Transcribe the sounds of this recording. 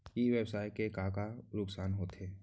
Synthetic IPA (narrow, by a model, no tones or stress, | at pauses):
iʋeːbsaːjkekaːkaɾʊksaːnɦoːt̪ɦeː